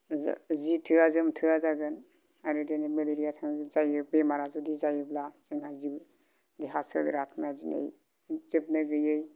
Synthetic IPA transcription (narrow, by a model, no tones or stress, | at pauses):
zitʰɯazɯmtʰɯazaɡɯn | ajɾɯdenimeleɾijatʰaŋzajɯbemaɾazudizajɯblaseŋazi | diɦasɯ̰lḭɾatʰmiazinḛj | zib̚nɯɡɯjɯj